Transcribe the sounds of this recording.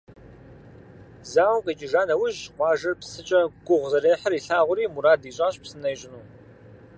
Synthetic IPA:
zaːwkʼɐt͡ʃʼɪʒaːnɐwʊʒqʷɑːʒɐrpʰsɨt͡ʃʼɐɡʷʊʁʷzɐɾeːħəriɬaːʁʷʊɾiːmuɾaːdiːɕʷʼaːɕʼpsɨnɐjɕʷʼɪnu

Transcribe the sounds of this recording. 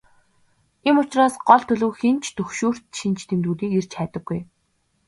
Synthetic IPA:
emʊt͡ɕraːsɢɔɮt̪ʰɵɮɵːxent͡ɕʰt̪ɵxʃuːr̥t̪ʃint͡ɕʰt̪ʰemt̪uːɮiːker̥t͡ɕʰæːt̪ə̆ɡːuj

